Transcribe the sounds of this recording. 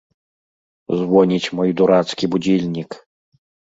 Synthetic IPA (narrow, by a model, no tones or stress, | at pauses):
zvɔnʲit͡sʲmɔjd̪uɾat̪skʲibud͡zʲilʲnʲik